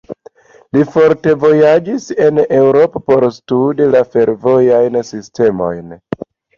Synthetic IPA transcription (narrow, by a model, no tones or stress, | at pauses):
lifo̞ɾte̞vo̞jad͡ʒise̞ne̞wɾo̞po̞po̞ɾstudilafe̞ɾvo̞jajnsiste̞mo̞̰jn